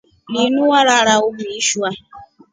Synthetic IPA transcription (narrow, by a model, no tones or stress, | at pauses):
ninuwaɾaɾaʊmʊiʃua